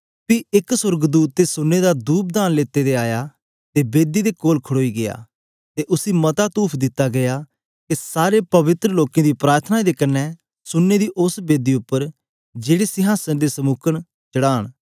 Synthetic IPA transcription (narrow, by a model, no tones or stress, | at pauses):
piɪksʊɾɡd̪uːt̪̚ːesʊnːed̪ad̪uːp̚d̪aːnleːt̪ːed̪eaːja | t̪ebeːd̪id̪ekoːlkʰəɽoːiɡɪja̰ː | t̪eʔʊsimɐt̪at̪uːpʰd̪ɪt̪ːaɡɐja | kesaːɾepɐʋɪt̪ɾəloːkẽd̪ipɾaːɾt̪ʰənaid̪ekɐnːɛ | sʊnːed̪iːʔʊsbeːd̪iʊpːəɾ | d͡ʒeːɽesɪɦaːsənd̪esəmʊkʰəɽ | t͡ʃəɽaːɽ̃